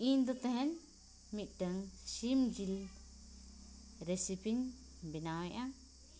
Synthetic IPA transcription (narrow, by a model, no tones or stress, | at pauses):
iɲd̪ɔt̪ɛɦɛ̃n | mit̪̚ˀɖəŋsimd͡ʒil | ɾesipiɲ | binawɛʔa